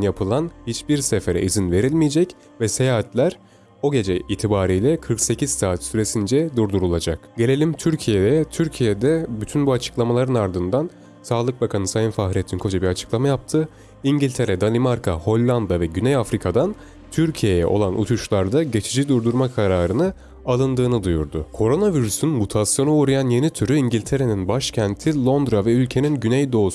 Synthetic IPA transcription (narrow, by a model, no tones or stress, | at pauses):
njapʰɯlˠanhit͡ʃbiɾsefe̞ɾɛ̰izinve̞ɾilʲmijed͡ʒɛc | vɛse̞jaːhat̪lʲæɾ | o̞ɟe̞d͡ʒɛʔiːt̪ʰibaːɾijlʲɛkʰɯɾkse̞cʰiz̥saːt̪syɾe̞sind͡ʒɛd̪uɾd̪uɾulˠad͡ʒakɟe̞lʲe̞lʲimt̪ʰyɾcʰijed̪ɛt̪ʰyɾcʰijed̪ɛbyt̪ʰynbuat͡ʃʰɯ̥klˠamalˠaɾɯnaɾd̪ɯnd̪an | saːlˠɯk̚bakʰanɯsajɯnfaɦɾijet̪ʰinkʰo̞d͡ʒabiɾat͡ʃʰɯ̥klˠamajap̚t̪ʰɯ | iɲɟilʲt̪ʰe̞ɾɛd̪alʲˠimaɾkʰaho̞lʲːand̪avɛɟynejafɾikʰad̪an | t̪ʰyɾcʰije̞jɛ̰ʔo̞̰lˠanʔṵt̪ʰuʃlˠaɾd̪aɟe̞t͡ʃʰid͡ʒid̪uɾd̪uɾmakʰaɾaːɾɯnɯ | alˠɯnd̪ɯːnɯd̪ujṵɾd̪ʊ̰kʰo̞ɾo̞naviɾysynmut̪ʰasjo̞nuuɾajanje̞nit̪ʰyɾyiɲɟilʲt̪ʰe̞ɾe̞ninbaʃcʰænt̪ʰilˠo̞nd̪ɾavɛylʲcʰe̞ninɟynejd̪o̞ːsu